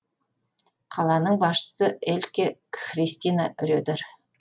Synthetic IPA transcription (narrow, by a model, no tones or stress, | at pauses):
qʰɑlˠɑnəɴbɑsʃə̥səelkʲeχrist̪inaʏɾʲed̪eɾ